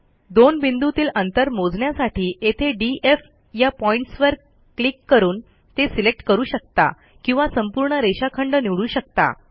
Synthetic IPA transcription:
d̪onbind̪ut̪iːlənt̪əɾmod͡zɳjasaʈiːʔet̪ʰeɖiʔef | japɔiɳʈsʋəɾ | klikːəɾuːn | t̪esilek̚ʈkəɾuːɕək̚t̪a̰ | kĩw̃ʋasəmpuɾɳəɾeɕakʰəɳɖəniʋɭuːɕək̚t̪a̰

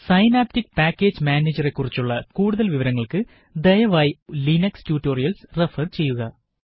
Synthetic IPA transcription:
sɐjnaːp̚tikpaːkʲːe̞ːd͡ʑmaːneːd͡ʑɐre̞kːurit͡ɕːuɭːɐkuːɽuðɐlʋiʋɐɾɐŋːɐɭkɨ | d̪ejɐʋaːjilinɐkstuːtːo̞ːrijɐlsrefɐrt͡ɕe̞jːuɣɐ

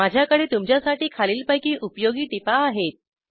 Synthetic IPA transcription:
ad͡ʑʱjakəɽiːt̪umt͡ɕjasaʈiːkʰaliːlpajkiːʔupjoɡiːʈipaːɦet̪̚

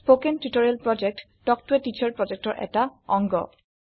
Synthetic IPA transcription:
spokentutoɹialpɹɔd͡ʒɛk̚t | tɔk̚tuɛtit͡ʃʰaɹpɹɔd͡ʒɛk̚tɔɹʔɛ̰taɔŋɡɔ̰

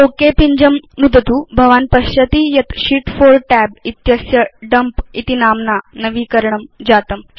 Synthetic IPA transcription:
tokepiɲd͡ʑəmnud̪ʱət̪uːbʱɐʋaːnpɐɕɐt̪ijɐt̪ɕiːʈfoɾʈɛb̚it̪jɐsjɐɖɐmpit̪inaːmnanɐʋiːkəɾɳəmd͡ʑaːt̪əm

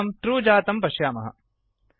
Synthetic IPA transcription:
ɐmʈɾuːd͡ʒaːt̪ɐmpɐʃjaːmɐ̰ɦɐ̰

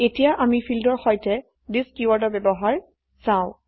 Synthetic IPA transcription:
etijaʔamipʰildɔɹxɔjtɛ | diskiwaɹdɔbɛbɔɦaɹ | sãʊ̃

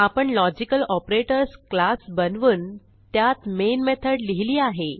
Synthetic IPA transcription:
apəɳlɔd͡ʑikəlɔpɾeʈəɾsklasbənʋuːn | t̪jat̪menmet̪ʰəɽliɦiliːaɦe

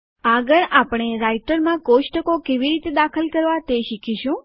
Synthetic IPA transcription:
aɡəɭapɽ̃eɾaiʈəɾmãkoʃʈəkokeʋiɾit̪ed̪akʰəlkəɾʋat̪eʃikʰiʃũ

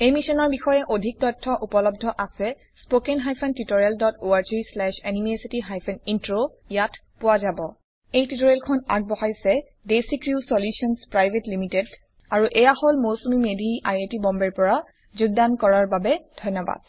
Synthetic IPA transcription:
ejmisɔnɔɹbixɔjɛʔodʱik̚tɔtʰːɔʔupɔlɔb̚dʱɔʔasɛ | spokenɦajpʰɛntutoɹialdɔtoaɹt͡ʃislɛʃɛnimesitiɦajpʰɛnintɹo | jatʰ | pʊwazabɔ | ejtitoɹelkʰɔna̰ɡ̚bɔhajsɛ | desikɹusoljusɔnspɹajbʱetlimited | aɹuʔɛjaholmosomimedʱiʔajetibɔmbɛɹpɔɹa | zuɡ̚dankɔɹaɹbabɛdʱɔnjɔba̰d̥̚

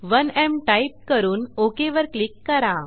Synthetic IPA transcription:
ʋənɛmʈaip̚kəɾuːnokeʋəɾklikːəɾã

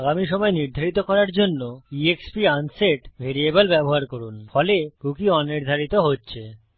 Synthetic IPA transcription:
aɡamiʃɔmɔeniɾd̪ʱaɾit̪okɔɾaɾd͡ʑonːoiekspianseʈbʱeɾiebolbɛboɦaɾkoɾunfɔlekukiɔniɾd̪ʱaɾit̪oɦotːɕʰe

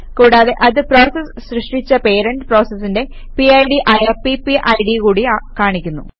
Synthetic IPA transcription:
kuːɽaːðe̞ʔɐðɨpro̞ːsɐsɕrɨʂʈit͡ɕːɐpe̞ːɾɐɳɖɨpro̞ːsɐsːinde̞ | piɐjɖiʔɐjɐpipiʔɐjɖikuːɽiakaːɳikʲːunːṵ

